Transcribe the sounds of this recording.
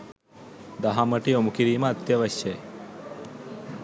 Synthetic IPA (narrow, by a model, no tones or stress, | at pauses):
d̪ɐɦɐməʈiomukiɾiːməːt̪jɐʋɐɕjɐje